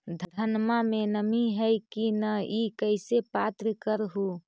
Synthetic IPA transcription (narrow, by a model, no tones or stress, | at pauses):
d̪ʱd̪ʱənmamenəmiɦəjkinəikəɪsepat̪ɾikəɾɦu